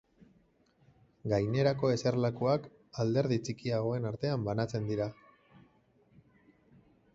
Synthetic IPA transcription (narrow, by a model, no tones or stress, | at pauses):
ɡajne̞ɾako̞e̞se̞ɾlakuak | ald̪e̞ɾðit͡sikiaɣ̞o̞e̞naɾt̪e̞ambanat͡se̞nd̪iɾa